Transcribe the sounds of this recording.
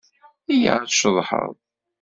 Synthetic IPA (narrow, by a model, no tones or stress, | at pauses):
ija̰ðʃəðˤħə̰ðˤ